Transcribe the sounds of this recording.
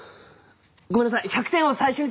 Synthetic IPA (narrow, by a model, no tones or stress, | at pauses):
ɡomenasaiçʲakɯ̥t̪ẽɰ̃osaiɕoɲ̟i